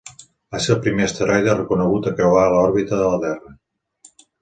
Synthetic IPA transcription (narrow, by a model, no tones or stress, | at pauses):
əselˠpɾimeəst̪əɾajðərəkunəɣut̪əkɛβaəlɔɾβit̪əðələt̪ɛrə